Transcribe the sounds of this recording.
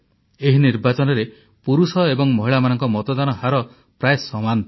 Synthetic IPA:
eɦiniɾbat͡ʃɔnɔɾe | puɾusɔebɔŋmɔɦiɭamanɔŋkɔmɔt̪ɔd̪anɔhaɾɔ | pɾaesɔman

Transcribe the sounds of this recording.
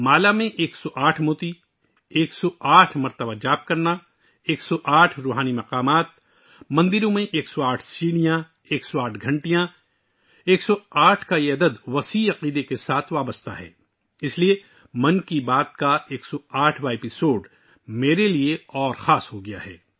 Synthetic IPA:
maːlamẽʔeːksɔʔaːʈʰmoːt̪i | eːksɔaːʈʰmɐɾt̪əbad͡ʒaːb̚kɐɾna | eːksɔʔaːʈʰɾoːɦaːnimɐqaːmaːt̪̚ | mɐ̃nd̪ɪɾõmẽʔeːksɔaːʈʰsiːɽ̃ijã | eːksɔaːʈʰɡʱɐ̃ɳʈijã | eːksɔaːʈʰkajeɐd̪əd̪ʋɐsiɐqiːd̪ekesaːt̪ʰʋaːbəst̪ʰa̰ɦɛ̰ː | ɪslie | mɐ̃nkibaːt̪̚kaeːksɔaːʈʰbaepɪsoːɖ | meːɾelieɔːɾxaːsɦoɡɐjaɦɛ̰ː

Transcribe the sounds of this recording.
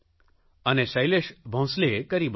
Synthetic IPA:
ənesɐjleʃbʱõw̃slekəɾib

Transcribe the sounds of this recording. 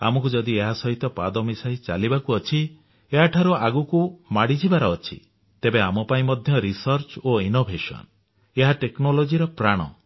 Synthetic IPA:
a̰mɔkud͡ʒɔd̪ieɦasɔɦit̪ɔpa̰d̪ɔmisaɦit͡ʃa̰libakuɔt͡ʃʰi | eɦaʈʰaɾuaɡukumaɽid͡ʒʰʱibaɾɔːt͡ʃʰḭ | t̪ebeamɔpaĩmɔd̪ʱjɔɾisɔɾt͡ʃoinobʱesɔ̰n | eɦaʈeknolod͡ʒiɾɔpɾaɽ̃ɔ̰

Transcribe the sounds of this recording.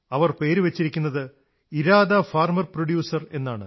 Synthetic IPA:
ɐʋɐrpe̞ːɾuʋɐt͡ɕːiɾikʲːunːɐðɨ | iɾaːd̪ɐfaːrmɐrproɽjuːsɐre̞nːaːɳɨ

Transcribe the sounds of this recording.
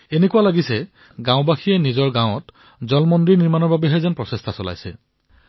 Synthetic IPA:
enekuwalaɡisɛ | ɡãʊ̃baxijɛnizɔɹɡãwɔt | zɔlmɔndɹiɹniɹmanɔɹbabɛɦɛzɛnpɹɔsestʰasɔla̰jsɛ̰

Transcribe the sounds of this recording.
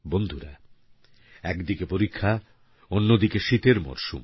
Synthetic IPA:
bond̪ʱuɾa̰ | ɛkd̪ikepoɾikʰːa | onːod̪ikeʃit̪eɾmɔ̰ɾʃṵm

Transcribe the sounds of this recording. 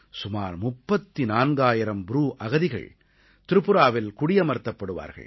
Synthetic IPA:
sʊmaːɾmʊpːɐt̪ːinaːnɡaːjɪɾɐmbʊɾuːʔɐɣɐðɪɣɐ̰ɭ | t̪ɪɾɯpːɯɾaːʋɪlkʊɽɪjɐmɐɾt̪ːɐpːɐɽɯʋa̰ːɾɣɐ̰ɭ

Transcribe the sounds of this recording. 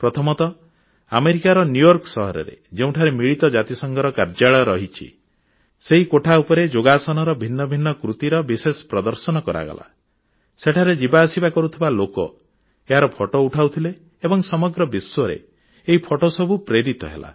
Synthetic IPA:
pɾɔt̪ʰɔmɔt̪ɔ | ameɾikaɾɔnjujɔɾkɔsɔɦɔɾḛɾḛd͡ʒeũʈʰaɾemiɭit̪ɔd͡ʒat̪isɔŋɡʱɔɾɔkaɾd͡ʒaɭɔɾɔɦit͡ʃʰḭ | seɦikoʈʰaupɔɾed͡ʒoɡasɔnɔɾɔbʱinːɔbʱinːɔkɾut̪iɾɔbisesɔ̥pɾɔd̪ɔɾsɔnɔkɔɾa̰ɡɔ̰la̰ | seʈʰaɾed͡ʒibaːsibakɔɾut̪ʰibalokɔ̰ | eɦaɾɔpʰɔʈouʈʰawt̪ʰileː | bɔŋsɔmɔɡɾɔbiswɔɾḛ | eɦipʰɔʈosɔbʱupɾeɾit̪ɔ̰ɦḛla̰

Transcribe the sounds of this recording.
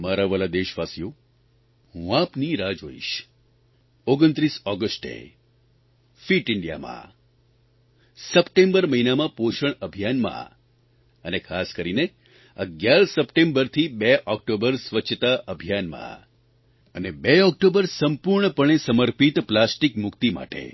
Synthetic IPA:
maɾaʋəlad̪eʃʋasijo | ɦũapniɾad͡ʒoḭʃ | oɡənt̪ɾisɔɡəsʈḛ | fiʈɪɳɖija̰mã̰ | səpʈẽmbəɾməɦinamãpoʃəɳəbʱjanmã̰ | ənekʰaskəɾine | ə̰ɡjaɾsəpʈẽmbəɾt̪ʰibeʔɔk̚ʈobəɾsʋət͡ʃʰət̪aʔəbʱijanmã̰ | ənebeɔk̚ʈobəɾsəmpuɾɳəpəɳ̃esəməɾpit̪plasʈikmʊkt̪ima̰ʈḛ

